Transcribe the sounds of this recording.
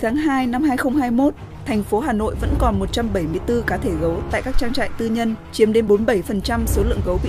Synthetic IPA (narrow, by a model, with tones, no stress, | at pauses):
t̪ʰaː˨˦ŋɦaː˧jna˧mɦaː˧jxə˧wŋ͡mhaː˧jmo˦˥t̚ | t̪ʰɛ˨˩jŋ̟fo˨˦ɦaː˨˩no̰˧˨jvə̰˧˥nkɔ˨˩nmo˨˩t̚t͡ɕa˧mɓə˧˩jmɨ˧əjt̪ɨ˧kaː˨˦t̪ʰe˧˩ɣə˨˦wt̪a̰ː˧˨jkaː˦˥k̚t͡ɕaː˧ŋt͡ɕa̰ː˧˨ŋt̪ɨ˧ɲə˧nt͡ɕi˨˦əmɗe˨˦nɓo˨˦nɓə˧˩jfə˨˩nt͡ɕa˧mso˨˦lɨ̰˧˨əŋɣə˨˦wɓḭ˧